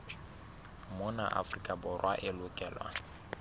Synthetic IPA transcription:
mʊnaʔa̰frikʼabʊrwaʔɪlʊkʼɛːlwa̰

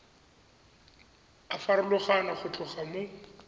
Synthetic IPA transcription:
afaɾʊlʊχanaχʊt͡ɬʼʊχamʊ

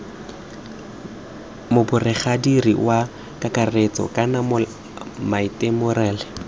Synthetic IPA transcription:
mʊbʊrɪχadirḭwa | kʼakʼaret͡sʼɔ̰kʼanam | maitʼemʊrɛːlɪ

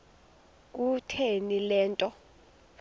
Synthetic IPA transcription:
k̬ʼutʰenilɛːntʼɔ

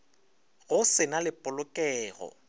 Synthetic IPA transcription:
ɣʊsɪnalɪpʼʊlʊkʼɛːɣɔ̰

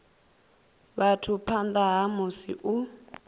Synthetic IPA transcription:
βatʰupʰand̪aɦamusḭʔu

